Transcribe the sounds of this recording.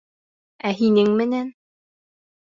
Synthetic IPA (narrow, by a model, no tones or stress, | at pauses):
æɦinɘŋmɘ̆næn